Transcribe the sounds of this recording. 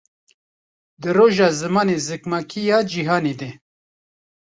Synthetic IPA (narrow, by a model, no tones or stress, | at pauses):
d̪ɨɾoːʒɑːzɨmɑːnezɨkmakʰijɑːd͡ʒiɦɑːniːd̪eː